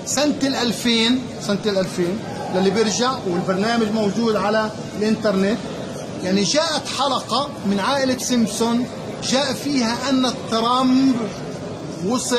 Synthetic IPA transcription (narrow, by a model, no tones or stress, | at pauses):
sant̪ɪlʔalfeːn | sant̪ɪlʔalfeːn | lalːibɪɾʒaʕwɪlbɑɾˤnaːmaʒmawʒuːd̪ʕala | lʔɪnt̪ɑɾˤnɪt̪ | jaʕniʒaːʔat̪ħalɑqɑ | mɪnʕaːʔɪlasɪmsʊn | ʒaːʔfiːhaʔanːat̪ːɾˤɑmb | wʊsˤ